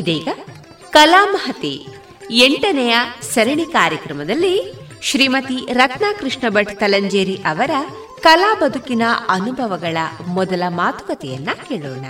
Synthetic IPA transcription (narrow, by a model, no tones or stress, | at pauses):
id̪eːɡɐ | kɐlaːmɐɦɐt̪ḛ | eɳʈɐnɛjɐsɐɾɐɳikaːɾjɐkɾɐmɐd̪ɐlːi | ʃɾiːmɐt̪iɾɐt̪naːkɾɪʂɳɐbɐʈt̪ɐlɐɲd͡ʒeːɾiʔɐʋɐɾɐ | kɐlaːbɐd̪ʱukinɐɐnubʱɐʋɐɡɐɭɐmɔd̪ɐlɐmaːt̪u̥kɐt̪ɛjɐ̰nːɐkeːɭɔ̰ːnɐ